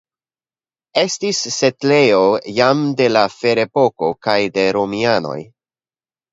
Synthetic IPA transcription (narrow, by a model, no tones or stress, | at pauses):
e̞stisːe̞tle̞jo̞jamde̞lafe̞ɾe̞po̞ko̞kajde̞ɾomiano̞̰j